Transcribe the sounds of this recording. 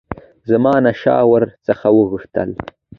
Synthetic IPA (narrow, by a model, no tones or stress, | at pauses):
zəmɑːnaʃɑ̰ːwəɾt͡səxawəɣəʂt̪ə̰l